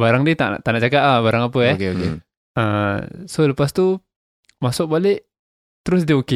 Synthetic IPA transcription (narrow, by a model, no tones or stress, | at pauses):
baɾaŋdit̪a̰ʔʔt̪aʔnaʔt͡ʃakat̪abaɾaŋapəɛkeoḛ | ə̰soləpast̪u | masʊk̚balɪʔ | t̪əɾʊsdioke